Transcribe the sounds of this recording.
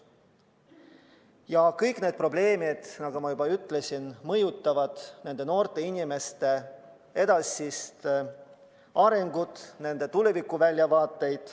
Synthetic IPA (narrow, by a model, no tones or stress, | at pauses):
jɑkɤjkˑne̞ːd̪̚pro̞ble̞ːmid̪̥nɑɡ̥umɑjubɑyt̪ːˑle̞sʲinmɤjut̪ˑːɑvɑd̪̥ne̞nd̪̥e̞no̞ːrt̪ˑe̞inʲime̞st̪e̞ | e̞d̪̥ɑsʲist̪ | ʔɑɾe̞ŋɡ̥ut̪ne̞nd̪̥e̞t̪ule̞vikːˑuvælʲːjɑvɑːt̪ːˑe̞jd̪̥